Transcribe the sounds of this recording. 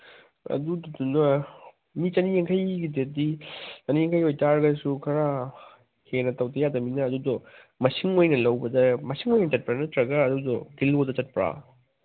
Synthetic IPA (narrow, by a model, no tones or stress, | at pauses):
ɐ̰dudɔdunɐ | mit͡ʃɐnieŋkʰɐjɡidet̚dit͡ʃɐnieŋkʰɐjojtaɾɡɐsukʰɐɾa | henɐtɐwtɐjadɐminɐːdudɔ | mɐsiŋojnɐlɐwbɐdɐmɐsiŋojnɐt͡ʃɐt̚pɾanɐtɾɐɡɐːdudɔɡilodɐt͡ʃɐt̚pɾa̰